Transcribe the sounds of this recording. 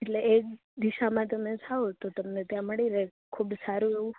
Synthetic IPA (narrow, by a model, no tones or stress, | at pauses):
eʈleek̚ | d̪iʃamãt̪əmed͡ʒʰaot̪ot̪əmnet̪jãməɽiɾekʰubsaɾueũ